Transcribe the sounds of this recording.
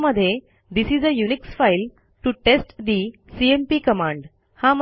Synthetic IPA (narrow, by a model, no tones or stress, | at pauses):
məd̪ʱːje | d̪isizəjuniksfajl | ʈuʈesʈd̪i | siempiːkəmãɳɖ | hamə